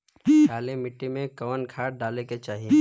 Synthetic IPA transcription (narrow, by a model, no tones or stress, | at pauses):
aːlemɪʈːimẽkɐʋənkʰaːʈ̚ɖaːleket͡ʃaːɦije